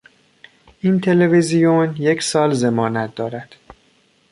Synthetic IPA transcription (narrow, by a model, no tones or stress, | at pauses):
ʔint̪ʰe̞le̞vezijonje̞cʰsɒːlze̞mɒːnæt̪̚ʰd̪ɒːɾæd̪̥